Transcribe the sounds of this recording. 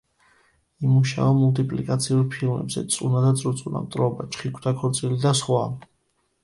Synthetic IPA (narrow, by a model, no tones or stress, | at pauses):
imuʃa̰amult̪ʰʼipʼlikʼat̪sʰiuɾpʰilˠmɛ̰bzɛ̰t̪sʼunad̪at̪sʼuɾt̪sʼuna̰mt̪ʼɾɔbat͡ʃʰχikʰd̪akʰɔɾt̪sʼilid̪asχwa